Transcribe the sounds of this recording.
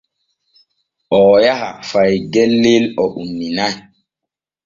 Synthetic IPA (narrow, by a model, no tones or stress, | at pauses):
ʔɔjaɦa̰fajɡɛlːelɔʔumːinaj